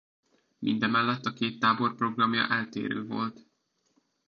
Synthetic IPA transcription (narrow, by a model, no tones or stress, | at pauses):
mʔḭnd̪ɛmɛlːɛt̪ːɒkeːt̪ːaːbo̞rpro̞ɡrɒmjɒ̰ʔɛlt̪ḛːɾø̰ːvo̞̰lt̪